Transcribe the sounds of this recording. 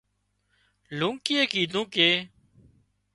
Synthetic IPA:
lũːŋkɪeːkiːd̪ʱũːkeː

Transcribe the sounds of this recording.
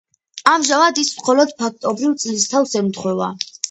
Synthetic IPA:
amʒavad̪ismχɔlɔd̪̥̚pʰak̚ʰt̪ʼɔbɾivt̪sʼlist̪ʰafsɛmt̪χwɛva̰

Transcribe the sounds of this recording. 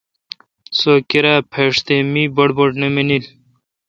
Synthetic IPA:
soːkiɾapʰeːʂt̪emiboɽboʈneminil

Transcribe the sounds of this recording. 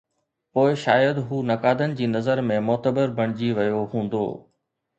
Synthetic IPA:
poːɪʃa̰ːjəd̪ɦuːnɐkaːd̪ənɪ̆d͡ʑiːnɐzəɾmẽmʊːt̪əbəɾbʱɐɽ̃ɪd͡ʑiʋɐjoɦũːn̆d̪o̰ː

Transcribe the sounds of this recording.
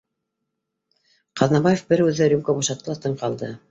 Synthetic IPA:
qɑðnɑbajefbɘɾʉðɘɾʲumkobuʃɑt̪ːɤlˠɑt̪ɤɴqɑlˠd̪ɤ

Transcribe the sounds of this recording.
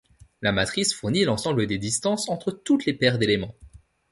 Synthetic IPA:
lamat̪χisfuʁnilɑ̃sɑ̃bləd̪ed̪ist̪ɑ̃sɑ̃t̪χət̪ut̪lepɛʁd̪elemɑ̃

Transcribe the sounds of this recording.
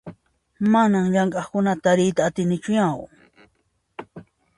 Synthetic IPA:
manamʎaŋkʼɑχkʊnat̪aɾɪjt̪aːt̪ɪnɪt͡ʃʊjaw

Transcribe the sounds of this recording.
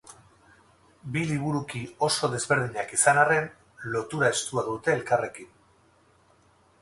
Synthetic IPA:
biliβ̞uɾukio̞so̞ð̞e̞zβe̞ɾð̞iɲakisanare̞n | lo̞t̪uɾae̞st̪uaðut̪e̞ːlkare̞kin

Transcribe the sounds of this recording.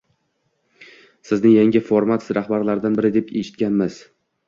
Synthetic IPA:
sɪznɪŋjaŋʲɪfoɾmat̪ɾahbaɾlaɾd̪anbɪɾɪd̪e̞peʃɪt̪kʲanmɪz̥

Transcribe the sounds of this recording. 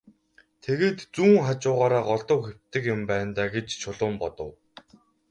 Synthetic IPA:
t̪ʰeɣeːt̪t͡suːŋχat͡ɕʊːʁaːɾaːɢɔɮt̪ɞ̆wxew̥ʲt̪ɘ̆kjʊmpæːnt̪aːɡet͡ɕt͡ɕʰʊɮʊːmpɔt̪ɞ̆w

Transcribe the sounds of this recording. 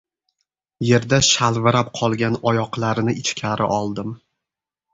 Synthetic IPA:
je̞ɾd̪aʃalˠvɪɾap̚qʰɒlˠɡʲanɒjɒqlˠaɾɪnɪɪt͡ʃkʲʰaɾʔɪ̰ʔɒlˠd̪ɪm

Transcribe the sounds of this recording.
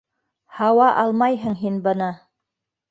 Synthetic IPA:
hɑwɑʔɑlˠmɑjɦɤ̆ŋɦinbɤ̆nɤ

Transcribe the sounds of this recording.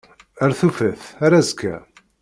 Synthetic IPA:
æɾθufəθaɾazkʰːæ̰

